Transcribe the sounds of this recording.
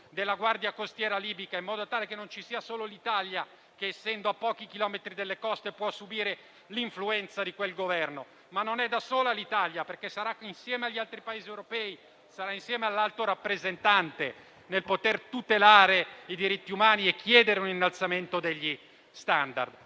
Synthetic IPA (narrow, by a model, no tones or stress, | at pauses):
d̪elːaɡward̪jakost̪jɛːɾaliːbikaimːɔːd̪ot̪aːlekenːont͡ʃisiːasoːlolit̪alja | keːsːɛnd̪oapːɔːk̟ik̟ilɔmet̪ɾid̪elːekɔst̪epwɔsːubiːɾe | liɱfluɛnt̪sad̪ikwelɡovɛrno | manːonɛd̪asoːlalit̪aljaperkesːaɾainsjɛːmeaʎːalt̪ɾipaeːziewɾopɛːi | saɾainsjɛːmealːalt̪oɾapːɾezent̪ant̪e | nelpot̪ert̪ut̪elaːɾeid̪iɾit̪ːiumaːniek̟ʰːjɛːd̪eɾeuninːalt̪sament̪od̪eʎːi | st̪and̪a̰rd̪